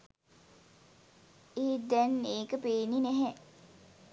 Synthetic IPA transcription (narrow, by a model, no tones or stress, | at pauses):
eːd̪ɛneːkəpeːninɛɦɛ